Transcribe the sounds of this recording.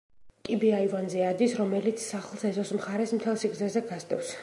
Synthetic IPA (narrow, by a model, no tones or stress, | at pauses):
kʼibiaivanzɛad̪isɾɔmɛlit̪sʰsaχlˠsɛzɔsmχaɾɛsmt̪ʰɛlˠsiɡzɛzɛɡasd̪ʼɛfs